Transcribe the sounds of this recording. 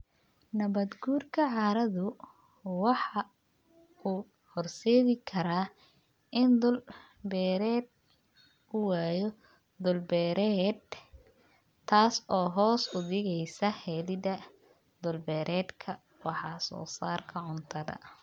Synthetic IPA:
nɐβɐd̪ɡuːrkʰɐʕɑːɾɐðʊ | wɑħɑ | uː | hɔrsɛːðɪkʰɐɾaː | ɪnd̪ʊl | bɛːɾɛːd̪̚ | ʊwɑːjɔ | d̪ʊlbɛːɾɛd̪ | t̪ʰːaːsɔːɦɔːsʊðɪɣɛjsɐhɛːlɪd̪ɐ | d̪ʊlbɛːɾʔɛːd̪kʰɐ | wɑħɑsɔ̰ːsaːrkʰɐʕʊnt̪ʰɐðɐ̰

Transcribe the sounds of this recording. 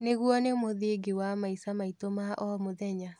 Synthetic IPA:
neɣuɔnemoðeɡewamaisamaitomaʔɔmoðɛɲa

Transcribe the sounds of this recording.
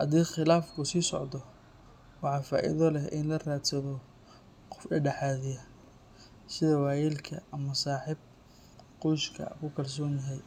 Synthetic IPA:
hɐðiːχɪlaːfkʰʊsiːsɔʕd̪ɔ | wɑħɑfa̰ːʔɪ̰ðɔlɛɪnlɐraːt̪sɐðɔ | qɔ̥fɖɐɖɛħɑːðɪjɐ | sɪðɐwɑːjɛːlkʰɐʔɐmɐsaːħɪb̚ | qʊʃkʰɐ̰kʰʊkʰɐrs̬ɔːnjɐɦɛj

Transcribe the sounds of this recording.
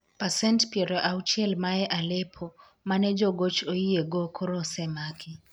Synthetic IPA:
pasɛntpiɛɾɔʔaut͡ʃɛlmaɛʔalɛpʰɔ | manɛd͡ʒɔɡot͡ʃoieɡɔkʰoɾɔsɛmakʰi

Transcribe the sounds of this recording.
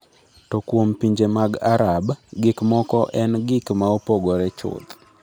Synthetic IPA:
tɔkwompiɲd͡ʒemaɡaɾabɡɪkmɔkɔʔɛnɡɪkmaopoɡɔɾɛt͡ʃʊ̰t̪

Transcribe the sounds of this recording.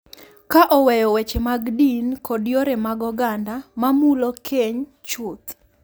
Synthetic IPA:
kaʔɔwɛjɔwɛt͡ʃemaɡdinkʰɔdjoɾemaɡɔɡandamamulokʰeɲ | t͡ʃʊt̪

